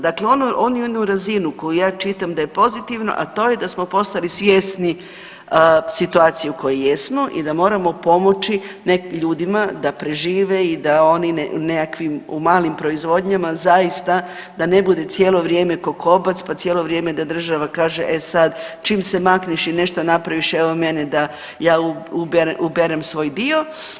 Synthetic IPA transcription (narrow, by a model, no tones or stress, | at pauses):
d̪akleo̞noʔo̞njud̪uɾazinuko̞jujaːt͡ʃit̪amd̪ajepo̞zit̪iʋno̞̰ʔat̪o̞ːje̞d̪asmo̞po̞st̪alisʋjesni | sit̪uaːt̪sijeuko̞jejesmo̞ʔḭd̪amo̞ːɾamo̞po̞mo̞t͡ʃineʎuːd̪imad̪apɾe̞ʒiːʋe̞id̪ao̞ninnekakʋimumaːlimpɾo̞izʋo̞d̪ɲamazajist̪a | d̪ane̞bud̪e̞t̪sjeːlˠo̞ʋɾje̞ːme̞koko̞bat̪spat̪sjeːlo̞ʋɾje̞ːme̞d̪ad̪r̩ʒaʋakaːʒeʔesad̪t͡ʃiːmse̞makniʃine̞ʃt̪onapɾaʋiʃeʋome̞ned̪a | jaːuubeɾeʔubeɾemsʋo̞ːjd̪io̞